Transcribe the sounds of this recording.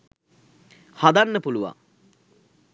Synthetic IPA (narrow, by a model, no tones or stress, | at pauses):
had̪anːəpuluʋa̰